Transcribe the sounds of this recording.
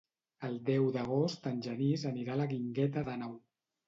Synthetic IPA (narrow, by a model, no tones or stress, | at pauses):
əlˠd̪ɛwðəɣ̞ost̪ənʲʒənizəniɾaləɣiŋɡɛt̪əðənɔw